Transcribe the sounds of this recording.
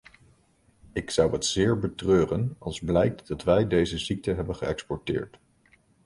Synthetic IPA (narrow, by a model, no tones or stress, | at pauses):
ɪksʌwɦətz̥ɪːɹbətrøːrənɑ̰lˠzblɛjk̚td̥ɑtʋɛjdejzəzik̚təɦɛbənχəɛkspɔɹtɪ̰ːɹt